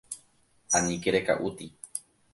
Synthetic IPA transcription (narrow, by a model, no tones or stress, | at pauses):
aɲĩkeɾeka̰ʔut̪i